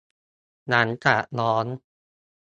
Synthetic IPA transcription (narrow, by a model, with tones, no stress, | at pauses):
na˦˥nt͡ɕa˨˩ʔlɔː˦˥n